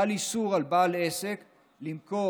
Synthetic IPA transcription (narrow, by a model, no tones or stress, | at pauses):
lisuʁalbalesek | limko